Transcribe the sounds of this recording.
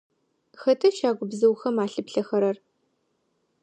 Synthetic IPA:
xɐtʰɐʃaːɡʷʊbzɐwxɐmaːɬɨpɬɐxɐɾɐr

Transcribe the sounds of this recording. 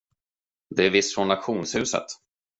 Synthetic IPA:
d̪ɛæɾvɪst̪fɾɔnːat̪ɧuːnshʉ̟ːsə̰t̪

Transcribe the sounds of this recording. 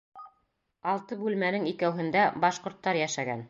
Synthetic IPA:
ɑlˠt̪ɤbʉlmænɘŋikæwɦɘ̆nd̪æbɑʃqŏɾt̪ːɑɾjæʃæɡæ̰n

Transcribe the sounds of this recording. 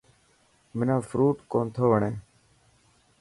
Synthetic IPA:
mɪnãːfɾuːʈkoːnt̪ʰoːʋəɳẽː

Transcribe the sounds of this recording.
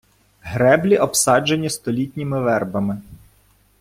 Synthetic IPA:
ɦɾɛblʲiʔɔpsɑd͡ʒenʲːist̪ɔlʲitʲnʲimɪʋɛrbɐmɪ

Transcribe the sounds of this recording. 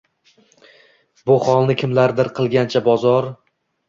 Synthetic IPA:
bʊχɒlˠnɪkʲʰɪmlaɾd̪ɪɾqʰɨlˠɡʲant͡ʃʰabɒzɒɾ

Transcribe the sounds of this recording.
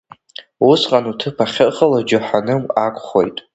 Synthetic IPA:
usqʼanutʰɨpʰaχʲɪχəlad͡ʒʊħanɨmakʷʰʼχo̞̰jtʼ

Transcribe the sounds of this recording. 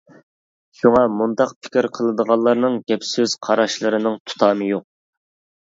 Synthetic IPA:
ʃuŋɑmund̪ɑqpʰɪ̥kʲiɾqʰəlˠɨd̪əʁɑlˠːɑɾnɨŋɡʲɛpsyz̥qʰɑɾɑʃlˠɨɾɨnɨŋt̪ʰu̥t̪ʰɑːmɨjoq̚

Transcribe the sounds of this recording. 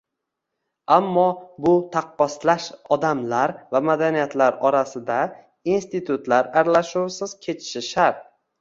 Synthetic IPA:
amːɒbʊt̪ʰɑqːɒslaʃɒd̪amlaɾvamad̪anijat̪ʰlaɾɒɾasɪd̪a | inst̪it̪ʰʊt̪laɾaɾlaʃuwsɪz̥kʲʰe̞t͡ʃʰɪ̥ʃɪʃaɾt̪̚

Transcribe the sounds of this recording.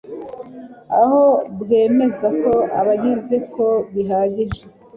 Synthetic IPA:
a̰ho̞bɡe̞ːme̞zako̞a̰βaɟize̞ko̞βiɦaɟiʒe

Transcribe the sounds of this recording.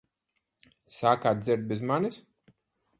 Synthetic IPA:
saːkaːt̪̚zɪɾt̪̚bʲɛzmanɨs

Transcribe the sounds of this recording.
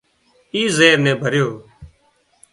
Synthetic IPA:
iːzeːɾnɛ̃ːbʱəɾjoː

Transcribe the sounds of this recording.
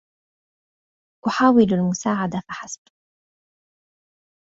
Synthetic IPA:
ʔʊħaːwɪlalmʊsaːʕad̪afaħasb̚

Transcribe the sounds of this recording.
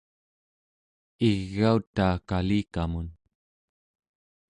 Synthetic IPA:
iɣːaut̪aːkaliːkamun

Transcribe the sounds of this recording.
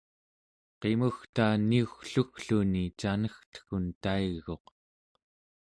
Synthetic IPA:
qe̞muxt̪aːniuxɬuxɬunit͡ʃanəxt̪ə̥xunt̪aiɣo̞q

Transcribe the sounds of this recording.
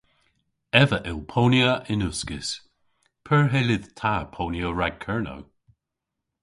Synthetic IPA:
ɛvəʔɪlˠpʰoːnjəʔɪnuskɪs | pʰɛɹɦɛlɪðt̪ʰapʰoːnjoɹaɡ̚kʰɛɹno̰w

